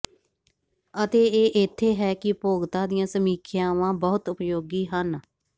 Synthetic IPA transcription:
ət̪eːeːʔɪt̪ʰːeːɦɛːkɪpoːɡt̪ãːd̪ɪjãːsəmiːkʰɪjãːʋãːbəːʊt̪ʊpjoːɡiːɦən

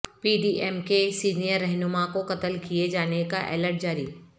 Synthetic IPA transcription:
piːɖiʔɛːmkesiːnijəɾːɛɦnʊmakokɐt̪əlkied͡ʒaːneka̰ʔɛ̰ːləɾʈ̚d͡ʑaːɾiː

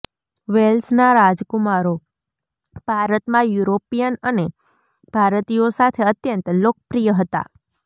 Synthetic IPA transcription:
ʋelsnaɾad͡ʒkumaɾo | b̥ʱaɾət̪mãjuɾopijənəne | b̥ʱaɾt̪ijosat̪ʰeət̪jənt̪lok̚ʰəpɾijəɦət̪a̰

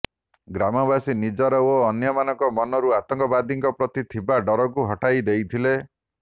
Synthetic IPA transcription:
ɡɾamɔbasinid͡ʒɔɾɔoːnjɔmanɔŋkɔmɔnɔɾuat̪ɔŋkɔbad̪iŋkɔpɾɔt̪it̪ʰibaɖɔɾɔkuɦɔʈajd̪ejt̪ʰile

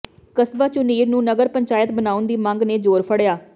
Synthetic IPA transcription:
kəsbaːt͡ʃʊniːɾnũːnəɡəɾpəɲt͡ʃaːjət̪bənaːʊnd̪iːmə̃ŋɡneːd͡ʒoːɾpʰəɽjaː

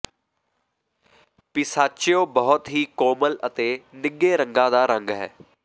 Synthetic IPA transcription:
pɪsaːt͡ʃɪjõːbəɦʊt̪ɦiːkoːmələt̪eːnɪɡeːɾə̃ŋɡãːd̪aːɾə̃ŋɡɦɛ̰ː

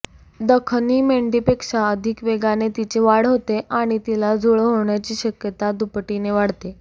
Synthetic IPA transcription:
d̪əkʰniːmeɳɖipekʂaəd̪ʱikʋeɡanet̪it͡ɕeʋaɽɦot̪eʔaɽ̃it̪ilad͡zʱoɭəɦoɳjat͡ɕiːɕəkjət̪ad̪upʈineʋaɽt̪e

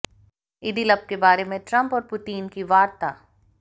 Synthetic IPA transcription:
ɪd̪ilɐb̚kebaːɾemẽʈɾɐ̃mpɔːɾpʊt̪iːnkiʋaːɾt̪aː

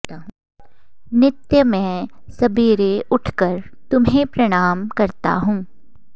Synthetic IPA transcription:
aɦ | nɪt̪jəmɛ̃sɐbiːɾeʔʊʈʰkəɾt̪ʊmɦẽpɾɐɽ̃aːmkɐɾt̪a̰ɦũː

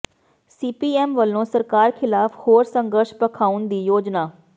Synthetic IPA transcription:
siːpiːɛːmʋəlːõːsəɾkaːɾkʰɪlaːphoːɾsəŋɡəɾʃpəkʰaːʊnd̪iːjoːd͡ʒnaː

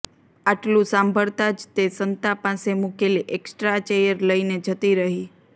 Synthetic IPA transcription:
aʈlũsãmbʱəɭt̪ad͡ʒt̪esənt̪apasemukeliʔeksʈɾat͡ʃejəɾləined͡ʒʱət̪iɾəɦi

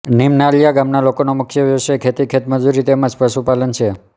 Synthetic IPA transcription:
nimnaljaɡamnalokonomʊkʰjəʋjəʋʃekʰet̪ikʰet̪məd͡ʒuɾit̪emãd͡ʒpəʃupalənt͡ʃʰe

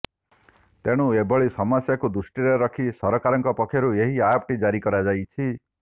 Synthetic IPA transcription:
t̪eɽ̃ũebɔɭisɔmɔsjakud̪usʈiɾeɾɔkʰisɔɾɔkaɾɔŋkɔpɔkʰjɔɾueɦiapʈid͡ʒaɾikɔɾad͡ʒajt͡ʃʰi

